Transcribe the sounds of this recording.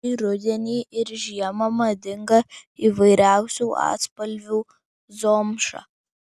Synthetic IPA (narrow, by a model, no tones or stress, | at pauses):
iɾʊd̪ʲɛnʲiːʔɪɾʒʲiɛmɐmɐd̪ʲɪŋɡɐiːʋɐɪɾʲæˑʊsʲuːʔɑ̰ːt̪spɐlʲʋʲuː | zoːmʃɑ̰ː